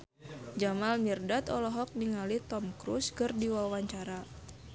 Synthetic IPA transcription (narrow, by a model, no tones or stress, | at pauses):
d͡ʒamalmirdat̪ɔlɔɦɔk̚niŋalit̪ɔmkɾuskɨrdiwawaɲt͡ʃaɾa